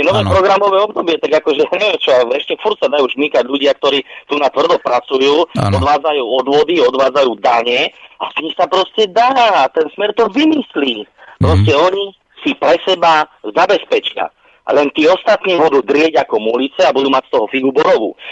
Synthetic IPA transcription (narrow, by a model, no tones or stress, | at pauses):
ɛnɔʋɛːpɾɔɡɾamɔʋɛːɔbd̪ɔbɪɛt̪aɡakɔʒɛjaɲɛʋɛmt͡ʃɔaɛʃcɛfuɾcsad̪ajuːʒmikaɟʎuɟɪak̚t̪ɔɾiːt̪unat̪ʋr̩d̪ɔpɾat͡sujuːɔd̪ʋaːd͡zajuːɔd̪ʋɔd̪iɔd̪ʋaːd͡zajuːd̪aɲɪɛasɲimsapɾɔscɛd̪aːat̪ɛnsmɛɾt̪ɔʋimisliːpɾɔscɛɔɲi | sipɾɛsɛbazabɛspɛt͡ʃɪa̰ | lɛnt̪iːɔst̪at̪niːbud̪uːd̪ɾɪɛɟakɔmulit͡sɛabud̪uːmacst̪ɔɦɔfiɡubɔɾɔʋṵː